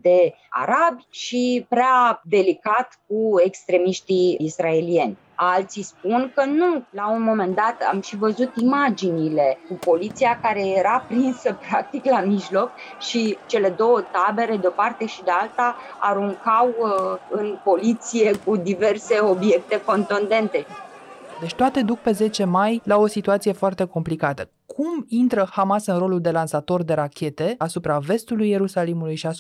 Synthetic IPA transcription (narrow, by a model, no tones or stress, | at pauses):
d̪e̞ | a̰ɾabʃipɾead̪e̞likat̪k̚ue̞kst̪ɾe̞miʃt̪iisrae̞lie̞nʲ | alt̪sispunkənulaunmo̞me̞nd̪at̪a̰mʃivəzut̪imad͡ʒinile̞kupo̞lit̪siakaɾe̞je̞ɾapɾinsəpɾak̚t̪iklamiʒlo̞kʃit͡ʃe̞le̞d̪o̞wət̪abe̞ɾe̞d̪eo̞part̪e̞ʃid̪ealt̪a | aɾuŋkawɨnpo̞lit̪sije̞kud̪ive̞rse̞o̞bje̞k̚t̪e̞ko̞nt̪und̪e̞nt̪e̞ | d̪e̞t͡ʃʲt̪oat̪e̞d̪uk̚pe̞ze̞t͡ʃe̞majlao̞sit̪uat̪sije̞foart̪e̞ko̞mplikat̪ə | kʰumint̪ɾəhamasɨnɾo̞luld̪e̞lansat̪o̞rd̪e̞ɾakʲʰe̞t̪e̞asupɾave̞st̪ulujːe̞ɾusalimulujʃia